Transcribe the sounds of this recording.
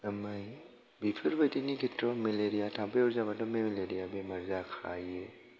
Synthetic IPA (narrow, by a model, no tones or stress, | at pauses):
ɐmaj | bipʰɯɾbajdinikʰetɾɔmeleɾijatʰampejɔɾzabatɔmemeleɾijabemɐɾzakʰaje